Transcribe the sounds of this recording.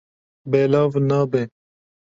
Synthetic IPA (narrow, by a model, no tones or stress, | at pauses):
beːlaːvnaːbe